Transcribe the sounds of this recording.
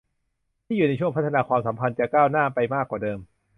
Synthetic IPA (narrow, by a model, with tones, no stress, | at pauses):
t̪ʰiː˥˩juː˨˩na˧jt͡ɕʰu˥˩ə˨pʰa˦˥t̪ʰːnaː˧kwaː˧msa˩˦mpʰa˧nt͡ɕa˨˩kaː˥˩wnaː˥˩pa˧jmaː˥˩kːwaː˨˩dɤː˧m